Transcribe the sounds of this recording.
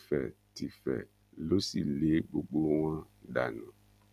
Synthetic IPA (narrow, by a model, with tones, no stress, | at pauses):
fɛ̰˨ti˨fɛ̰˨ | lo˦sḭ˨le˨˦ɡ͡bo˨ɡ͡bo˦w̃ã˦ | ɖa̰˨nã˨